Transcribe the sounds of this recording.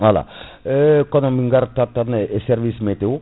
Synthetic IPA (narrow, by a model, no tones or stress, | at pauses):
ala̰ | kɔnɔ̃miŋɡaɾtatanesɛɾvismetewo